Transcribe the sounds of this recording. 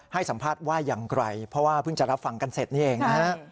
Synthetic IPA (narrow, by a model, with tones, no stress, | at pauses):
ha˥˩jsa˩˦mpʰaː˥˩t̪̚waː˥˩jaː˨˩ŋkɾa˧jpʰɔ˦˥waː˥˩pʰɯ˥˩ŋt͡ɕa˨˩ɾa˦˥p̚fa˧˩ŋka˧nse˨˩t̪̚niː˥˩ʔeː˧˩ŋa˧ɦa˦˥